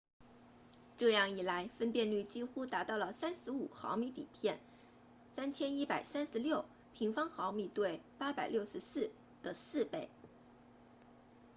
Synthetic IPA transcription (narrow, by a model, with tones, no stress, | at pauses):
ʈ͡ʂɤ˥˧jɑ˥˩ŋi˨˩la˧˥ɪfə˥npjɛ˥˧nly˥˩t͡ɕi˥xu˥t̪a˧˥t̪ɑ˥˩ʊlə˩sa˥nʂɻ̩˧˥ṵ˨˩xɑ̰˧˥ʊmi˧˥t̪ḭ˨˩pʰjɛ˥˩n | sa˥nt͡ɕʰjɛ˥ni˥pa˨˩ɪsa˥nʂɻ̩˧˥ljo˥˩ʊ | pʰi˧˥ŋfɑ˥ŋxɑ˧˥ʊmi˧˩t̪we˥˩ɪpa˥pa˨˩ɪljo˥˩ʊʂɻ̩˧˥sɹ̩˥˩ | d̪̥ə˩sɹ̩˥˧pe˥˩ɪ